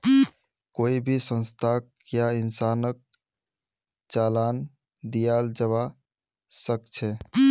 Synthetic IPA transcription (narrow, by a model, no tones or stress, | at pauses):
koːibʱisə̃nst̪ʰak | jaɪnsaːnək̚ | t͡ʃaːlaːn | d̪ijald͡ʒəβa | səkt͡ʃʰɛ